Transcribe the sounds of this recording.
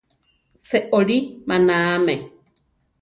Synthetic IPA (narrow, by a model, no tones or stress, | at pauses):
seʔoɺimanaːme